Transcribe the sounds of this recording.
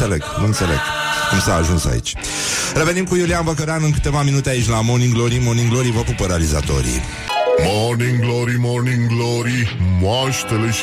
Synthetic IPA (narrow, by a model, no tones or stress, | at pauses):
sɐlɛɡmonsɐlɛ̰ɡkumsaːʒũnsa̰ḭt͡ʃ | revenĩmkujulianbɐkɐɾanɨ̃ŋkɨ̥t̪evaminut̪ait͡ʃlamonĩŋɡloɾimoɾnĩŋɡloɾivapupɐɾaliza̰t̪o̰ɾḭ | mɔɾnĩŋɡlɔɾimɔɾnĩŋɡlɔɾimaʃt̪ɐleʃ